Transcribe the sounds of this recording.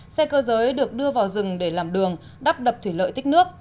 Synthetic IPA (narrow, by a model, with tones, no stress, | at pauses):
sɛ˧kəː˧zəː˨˦jɗɨ˨˩ək̚ɗɨ˧əvaː˨˩wzɨ˨˩ŋɗe˧˩laː˨˩mɗɨ˨˩əŋ | ɗaː˦˥p̚ɗə˨˩p̚t̪ʰwi˧˩lə̰ː˧˨jt̪ï˦˥nɨ˦˥ək̚